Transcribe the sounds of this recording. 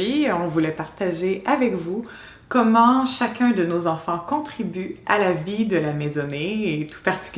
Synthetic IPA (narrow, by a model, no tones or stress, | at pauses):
iɔ̃vulɛpaʁt̪aʒeʔavɛkvu | kɔmɑ̃ʃakʲɛ̃d̪ənozɑ̃fɑ̃kɔ̃t̪χibyalavid̪əlamɛzɔneːt̪u̥paʁt̪i̥kʲ